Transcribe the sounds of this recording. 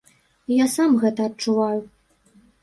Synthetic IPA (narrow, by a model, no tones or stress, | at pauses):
jasamɣɛt̪ɐːtt͡ʂuvaju